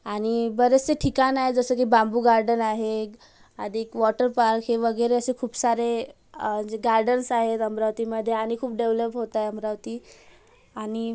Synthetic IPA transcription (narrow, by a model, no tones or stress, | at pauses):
aɽ̃ibəɾet͡seʈʰikanaɦed͡zəsək̬ibambuːɡaɾɖənaɦe | əd̪ʱikʋɔʈəɾpaɾkɦeʋəɡəjɾeəsekʰuːpsaɾe | d͡ʑeɡaɾɖənsaɦet̪əmbɾaʋt̪iməd̪ʱːjeaɽ̃ikʰuːp̚ɖeʋləpɦot̪ajəmɾaʋt̪i | aɽ̃i